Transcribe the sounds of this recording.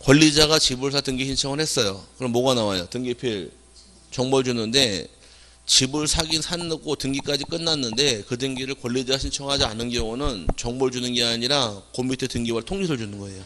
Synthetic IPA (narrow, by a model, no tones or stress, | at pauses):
kwʌɭːid͡ʑaɡat͡ɕibɯɭsʰatɯŋɡiɕʰint͡ɕʰʌŋɯɭhe̞s͈ʌjokɯɾʌmːʌɡanawajotɯŋɡipʰiɭ | t͡ɕʌŋboɭd͡ʑunɯnde̞ | t͡ɕibɯɭsʰaɡinsʰanːɯɡotɯŋɡik͈ad͡ʑik͈ɯnːanːɯnde̞kɯdɯŋɡiɾɯɭkwʌʎːid͡ʑaɡaɕʰint͡ɕʰʌŋɦad͡ʑia̰nːɯnɡjʌŋunɯnt͡ɕʌŋbʌɭd͡ʑunɯnɡe̞aɲiɾakombitʰetɯŋɡibaɭtʰoŋd͡ʑisʰɯɭd͡ʑunɯnɡʌe̞jo